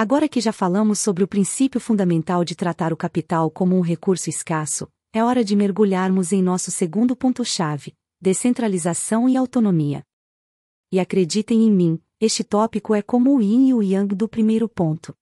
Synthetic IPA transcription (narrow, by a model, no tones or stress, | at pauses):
aɡɔɾɐkɪʒafalɐ̃mʊsːobɾɪʊpɾĩsipjʊfũnd̪amẽnt̪awd͡ʒɪt̪ɾat̪aɾʊkapit̪awkõmʊũɦekuɾsʊiskasʊ̰ | ɛɔɾɐd͡ʒɪmeɾɡuʎaɾmʊzẽj̃nɔsʊseɡũnd̪ʊpõnt̪ʊʃavɪ | d̪esẽnt̪ɾalizasɐ̃w̃ɪawt̪onõmiɐ̰ | ɪakɾed͡ʒit̪ẽj̃ẽj̃mĩ | est͡ʃɪt̪ɔpikʊɛkõmʊːĩuiɐ̃d̪ʊpɾimejɾʊpõnt̪ʊ̥